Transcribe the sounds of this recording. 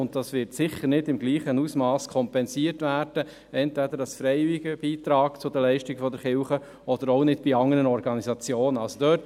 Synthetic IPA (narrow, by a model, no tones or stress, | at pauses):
ʊntdɑsʋɪɾtsɪχəɾnɪdɪmɡliːχənusmɑːskʰɔmpɛnsiəɾtʋæːɾd̥ə | ɛntʋæd̪əɾɑsfɾɛɪvɪɡəb̥iːt̪ɾɑːkt͡sʊd̪ɛlɛɪʃtɪɡfɔd̪ɛɾχɪwχə | ɔd̥əɾɔʊnɪdb̥iɑŋəɾənɔɾɡɑnisɑt͡sjoːnəɑlsod̪œːt